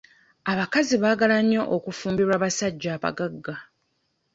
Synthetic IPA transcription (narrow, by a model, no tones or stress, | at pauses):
aβakaziβaːɡalaɲo̞ʔokufuːmbiɾwaːβasaɟːaːβa̰ɡaɡːa